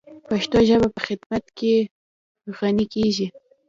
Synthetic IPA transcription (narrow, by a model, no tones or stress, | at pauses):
paʃt̪oʒəbapəxɪd̪mat̪ke | ɾuxɑnikeʒi